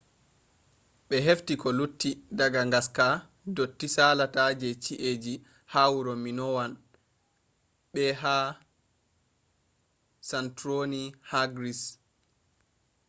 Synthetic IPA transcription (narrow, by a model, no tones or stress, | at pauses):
ɓɛɦeftikɔlutːidaɡaŋɡaska | dotːisalatad͡ʒɛt͡ʃiʔeːd͡ʒi | hawuɾɔminɔwan | ɓɛɦa | santɾonihaɡɾis